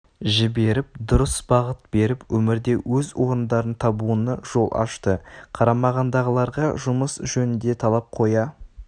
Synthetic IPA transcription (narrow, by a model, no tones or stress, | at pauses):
ʒɪbe̞ɾɪp̚d̪ʊɾəsbɑʁət̪̚b̥e̞ɾɪpwɵmɪɾd̪e̞wɵzwo̞ɾənd̪ɑɾənt̪ʰɑbuənəʒ̥o̞lˠʔɑ̰ʃt̪əqʰɑɾɑmɑʁɑnd̪ɑʁəlˠɑɾʁɑʒʊməsʒɵnɪnd̪e̞t̪ʰɑlˠɑp̚qʰo̞jɑ